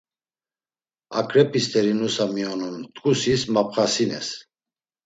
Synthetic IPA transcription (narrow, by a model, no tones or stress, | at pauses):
a̰kʰʼɾɛpʼist̪ʰʼɛɾinusamiɔnumt̪ʼkʼusismap̚χasinɛ̰s